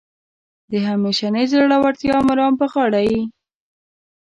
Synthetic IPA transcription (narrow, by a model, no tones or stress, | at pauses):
d̪əɦameʃanəjzɾaɽawaɾt̪jɑmʊɾɑmpəxɑɽaji